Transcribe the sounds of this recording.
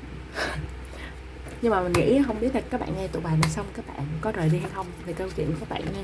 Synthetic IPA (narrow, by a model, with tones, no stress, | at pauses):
ɲɨ˧ŋmaː˨˩mi˨˩n̟ŋḭ˧˥˨ɦə˧wŋ͡mɓi˦˥ət̪̚a˨˩kaː˦˥k̚ɓa̰ː˧˨ŋɛ˧t̪ṵ˧˨ɓaː˨˩naː˨˩sə˧wŋ͡mkaː˦˥k̚ɓa̰ː˧˨nkɔ˨˦zəː˨˩jɗi˧ha˧jxə˧wŋ͡mt̪ʰi˨˩kə˧wt͡ɕwḭ˧˨ənkaː˦˥k̚ɓa̰ː˧˨nŋɛ˧